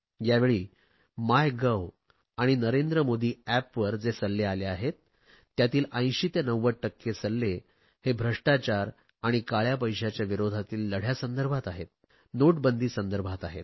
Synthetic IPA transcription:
jaʋeɭiː | majɡəw | aɽ̃inəɾend̪ɾəmod̪ʱiːæpʋəɾd͡zesəlːealeaɦet̪ː | jat̪iːlə̃j̃ɕiːt̪enəʋːəʈːəkːesəlːe | hebʱɾəʂʈat͡ɕaɾ | aɽ̃ikaɭjap̬əjɕat͡ɕjaʋiɾod̪ʱat̪iːlːəɽ̤jasənd̪əɾbʱat̪aɦet̪̚ | noʈ̚bənd̪ʱiːsənd̪əɾbʱat̪aɦḛt̪̚

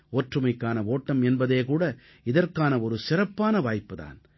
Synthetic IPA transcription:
oːʈrɯmɐɪkːaːnɐoːʈːɐmɛnbɐðeːkuːɽɐ | ɪðɐrkaːnɐɔɾɯsɪɾɐpːaːnɐʋaːjpːɯða̰ːn

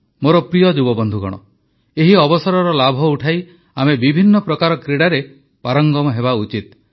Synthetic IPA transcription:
moɾɔpɾijɔd͡ʒubɔbɔnd̪ʱuɡɔ̰ɽ̃ɔ̰ | eɦiɔbɔsɔɾɔɾɔlabʱɔuʈʰaj | amebibʱinːɔpɾɔkaɾɔkɾiɽaɾe | paɾɔŋɡɔmɔɦeβaut͡ʃit̪̚

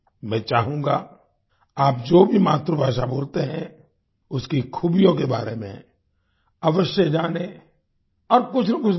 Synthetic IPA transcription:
mɛ̃ːt͡ʃaːɦũːɡa̰ː | aːp̚d͡ʒoːbʱimaːt̪ɾobʱaːʃabʱʊːɾt̪eɦɛ̃ | ʊskikʰuːbijõkeba̰ːɾemḛ̃ | ɐʋəʃjəd͡ʒaːne | ɔːɾkʊt͡ʃʰnakʊt͡ʃʰ

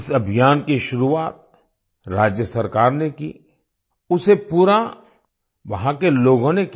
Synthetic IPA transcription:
sɐbʱijaːnkiʃʊɾuaːt̪̚ | ɾaːd͡ʒjəsɐɾkaːɾnekḭː | ʊsepuːɾa | ʋɐɦãkeloːɡõnek

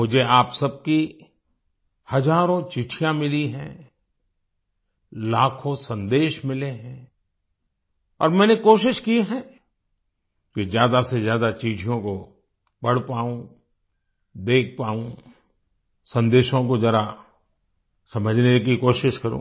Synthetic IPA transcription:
mʊd͡ʒʱeaːpsɐb̚ki | hɐd͡ʒaːɾõt͡ʃiʈʰijãmɪliɦɛ̰̃ | laːkʰõsɐ̃nd̪eːʃmɪleɦɛ̃ː | ɔːɾmɛ̃ːnekoːʃɪʃkiɦɛ̃ | kezjaːd̪asezjaːd̪at͡ʃiːʈʰijõko | pɐɽ̤paːũ | d̪eːk̚ʰpaːũ | sɐ̃nd̪eːʃõk̬ozɐɾa | sɐməd͡ʒʱnekikoːʃɪʃkɐɾõ̰ː

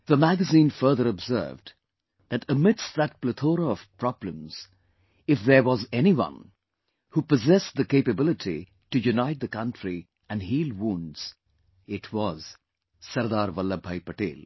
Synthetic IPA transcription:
ðəmæɡəzĩnfɜ˞ðəɾɔbzɜ̰˞vd | ðæʈəmɪdsðæt̚plət̪ʰoːɾəɔv̥pɾɑblə̃mz̥ | ɪfðə˞wɔzɛniwʌ̰̃n | hupəzɛsðəkeɪpɨbɪlɨʈʰḭ | ʈɨjunaɪt̪̚d̪əkʌ̃ntɾi | æ̃nɖhiːlˠwũnɖz̥ | ɪʈʰwɔz̥ | sʌɾd̪aːɾʋʌlːabʱaɪpəʈḛːl

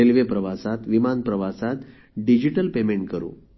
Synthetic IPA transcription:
elʋepɾəʋasat̪ʋimanpɾəʋasat̪ | ɖid͡ʑiʈəlpemeɳʈkəɾṵ̃ː

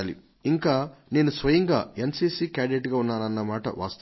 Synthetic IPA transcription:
aːlḭ | iŋkaːne̞ːnusʋɐjɐŋɡa̰ːensiːsiːkaːɖeʈɡaːunːaːnɐnːɐmaːʈɐ̰ʋʔa̰ːst̪

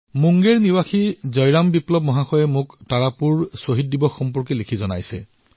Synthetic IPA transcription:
muŋɡeɹniwaxizɔjɹambiplɔbmɔɦaxɔjɛmʊktaɹapuɹsoɦit̚dibɔxːɔmpɔɹkilekʰizɔna̰jsɛ̰

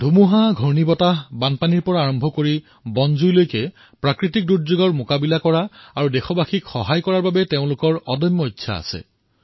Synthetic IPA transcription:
dʱumuɦaɡʱɔɹnibɔtabanpaniɹpɔɹaːɹɔmbʱɔkoɹi | bɔnzujlojkɛ | pɹakɹitik̚dutzoɡɔɹmokabilakɔɹaaɹudexɔbaxikxɔɦajkɔɹaɹbabɛteʊ̃lʊkɔɹɔdɔjmːɔitːɕʰa̰a̰sɛ̰

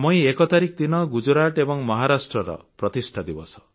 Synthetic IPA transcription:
mɔj̃ekɔt̪aɾik̚d̪inɔɡud͡ʒɾaʈebɔŋmɔɦaɾasʈɾɔɾɔ̰pɾɔt̪isʈʰad̪ibɔsɔ̥

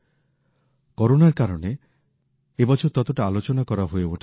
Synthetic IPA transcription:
koɾonaɾkaɾɔɽe | ebɔt͡ʃʰɔɾt̪ɔt̪oʈaalot͡ʃɔnakɔɾaɦoeoʈʰ

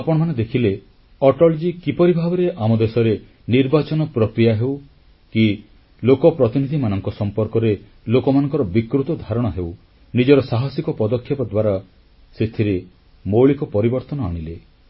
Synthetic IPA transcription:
apɔɽ̃ɔmaned̪ekʰile | ɔʈɔld͡ʒikipɔɾibʱabɔɾeʔamɔd̪esɔɾe | niɾbat͡ʃɔnɔpɾɔkɾijaɦew | ki | lokɔpɾɔt̪inid̪ʱimanɔŋkɔsɔmpɔɾkɔɾe | lokɔmanɔŋkɔɾɔbikɾut̪ɔd̪ʱaɾɔɽ̃ɔɦew | nid͡ʒɔɾɔsaɦasikɔpɔd̪ɔkʰːjɔpɔd̪waɾa | set̪ʰiɾe | moɭikɔpɔɾibɔɾt̪ɔnɔaɽ̃ile

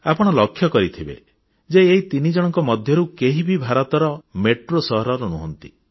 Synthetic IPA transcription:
apɔɽ̃ɔlɔkʰːjɔkɔɾit̪ʰibḛ | d͡ʒeeɦit̪inid͡ʒɔɽ̃ɔŋkɔmɔd̪ʱjɔɾukeɦibʱibʱaɾɔt̪ɔɾɔmeʈɾosɔɦɾɔɾunuɦɔnt̪i

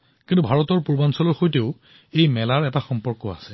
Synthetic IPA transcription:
kintubʱaɹɔtɔɹpuɹbansɔlɔɹxojteʊ | ejmɛlaɹɛtaxɔmpɔɹkɔa̰sɛ

